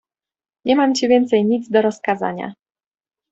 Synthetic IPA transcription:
ɲɛmamt͡ɕivʲjɛnt̪sɛjɲid̪zd̪ɔɾɔskaza̰ɲa̰

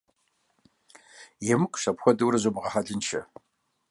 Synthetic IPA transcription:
jɛmɨkʷʰʼɕɐpxʷɔdɨwɾɐʑomʁɐħɐɮɨnʃʰɐ

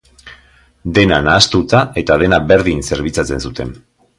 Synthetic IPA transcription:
d̪e̞na̰naːst̪ut̪ae̞t̪aðe̞nabe̞ɾðinse̞ɾβ̞it͡sat͡se̞nsut̪e̞̰n

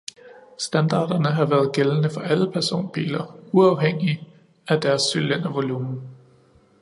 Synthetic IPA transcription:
sd̥ænd̥ɑ̰̈ːd̥ɐnəɦɑ̈ʋæːɐð̞̩ˠɡ̥elənəfɒ̽ʔæləpʰæɐso̝̰ːnb̥ḭːlɐuɑ̈ʊɦeŋ̰i | æd̥æɐsːylen̰æʋo̝luːmn̩

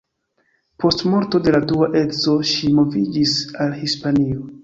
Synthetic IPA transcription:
pʰo̞stmo̞ɾto̞de̞laduaʔe̞dzo̞ʃimo̞vid͡ʒisalhispanio̞

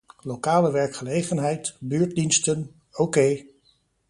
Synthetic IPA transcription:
lokaːləʋɛɹkχəlejχənɦɛjtbyːɹt̚dinstən | okej

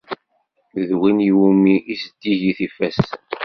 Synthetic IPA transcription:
ðwiniwumiʔisəd̪̥ːiʝiθifæstən

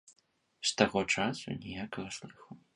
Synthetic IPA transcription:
st̪aɣɔt͡ʂasṵnʲɛjakɐɣɐslˠɨxɐw

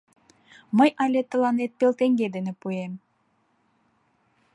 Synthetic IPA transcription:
mɤjʔɑlʲet̪ːə̆lˠɑnet̪̚pelˠt̪eŋɡʲed̪enɘpujem

